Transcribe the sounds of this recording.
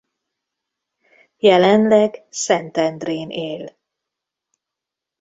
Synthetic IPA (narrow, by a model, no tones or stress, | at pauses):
jɛlɛnlɛɡsɛnt̪ɛnd̪reːnʔeːl